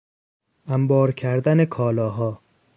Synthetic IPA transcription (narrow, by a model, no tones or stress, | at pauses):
æmbɒːɾcʰæɾd̪æne̞kʰɒːlɒːɦɒː